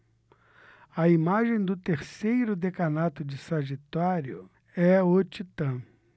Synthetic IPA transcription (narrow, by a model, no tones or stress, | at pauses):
ɐimaʒẽj̃d̪ʊt̪eɾsejɾʊd̪ekanat̪ʊd͡ʒɪsɐʒit̪aɾjʊ̰ | ɛot͡ʃit̪ɐ̃